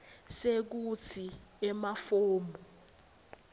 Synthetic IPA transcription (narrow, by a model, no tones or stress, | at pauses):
sek̬ut͡sʰiɛmafoːmbɔ